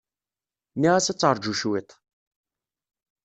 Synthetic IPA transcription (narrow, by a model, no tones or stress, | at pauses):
niʁæsæt͡sːəɾˤd͡ʒuʃwit̪ˤ